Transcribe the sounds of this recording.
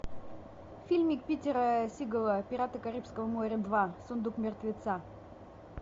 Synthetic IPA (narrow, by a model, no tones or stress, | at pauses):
fʲilʲmʲɪkpʲitʲɪɾəsʲiɡəlˠəpʲɪɾat̪əkɐɾʲipskəvəmoɾʲəd̪vasʊnd̪ukmʲɪrt̪vʲɪt̪sa